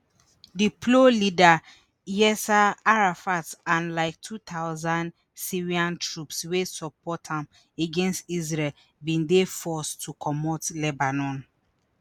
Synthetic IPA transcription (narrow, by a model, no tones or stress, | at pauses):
dipʰlolida | jɛsaaɹafatsãnlaɪk̚tʰut̪ʰaʊzãnd | siɹiãntɹupswesɔpɔtʰãm | eɡɛ̃nstizɹɛl | bĩndefɔstʰukʰɔmɔtlɛbanɔ̃n